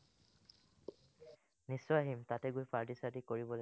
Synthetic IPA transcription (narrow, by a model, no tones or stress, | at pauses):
nisːɔaɦimtatɛɡujpaɹtisadikoɹibɔl